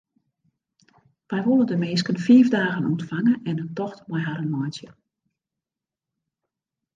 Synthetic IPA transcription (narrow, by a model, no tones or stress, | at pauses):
ʋɛjʋolˠədəmɪːskənfiəvdaːɣənɔ̰ntfaŋəɛnətɔxtmɔjɦaɾənmɔjsjə